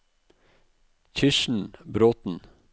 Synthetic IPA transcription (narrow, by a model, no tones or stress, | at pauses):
çʰʏʃɳ̩bɾoːt̪n̩